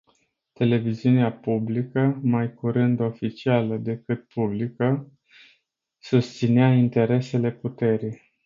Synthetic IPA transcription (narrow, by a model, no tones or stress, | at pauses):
t̪e̞le̞viziuneapublikəmajkuɾɨnd̪o̞fit͡ʃialəd̪e̞kɨt̪̚publikə | sust̪sineaint̪e̞ɾe̞se̞le̞put̪e̞ɾij